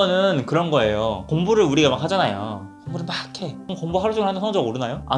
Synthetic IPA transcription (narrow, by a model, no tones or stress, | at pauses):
ʌnɯnkɯɾʌnɡʌe̞jokoŋbuɾɯɭuɾiɡamak̚had͡ʑanajo̰ | koŋbuɾɯɭmakʰekoŋbuɦaɾud͡ʑuŋɯɭhanʌnsʰʌŋd͡ʑʌoɾɯnajoa̰